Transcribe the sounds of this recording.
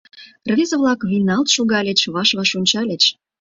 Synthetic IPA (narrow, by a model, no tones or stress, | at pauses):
rvʲezəβlɑkβʲinɑlt̪ʃoɣɑlʲet͡ɕβɑʃβɑʃunʲt͡ɕɑlʲet͡ɕ